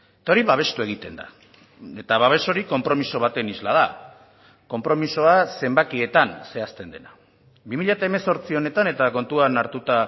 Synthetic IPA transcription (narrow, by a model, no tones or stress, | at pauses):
et̪aoɾiβaβ̞e̞st̪ue̞ɣ̞it̪e̞nd̪a̰ | e̞t̪aβaβe̞so̞ɾiko̞mpɾo̞miso̞β̞at̪e̞nizlað̞a | ko̞mpɾo̞miso̞ase̞mbakiet̪anse̞ast̪e̞nd̪e̞̰na | bimiʎat̪aeme̞so̞ɾt͡sio̞ne̞t̪ane̞t̪ako̞nt̪uanaɾt̪ut̪a